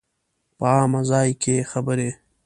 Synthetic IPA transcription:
pəaːmazɑːjkʰexabəɾe

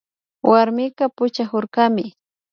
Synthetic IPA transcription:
wʔaɾmɪkapʊt͡ʃahoɾkamɪ

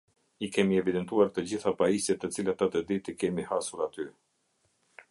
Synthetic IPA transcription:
ikɛmiɛvid̪ɛnt̪uaɾt̪əd͡ʑiθapaisɛt̪ət͡silat̪at̪əd̪it̪ikɛmihasuɾat̪y

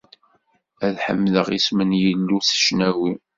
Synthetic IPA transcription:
æðħə̰mːləʁismənjəlːuθə̥ʃnæwi

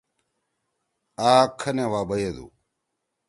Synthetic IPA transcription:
aːkʰːɐnewaːbɐjed̪ṵ

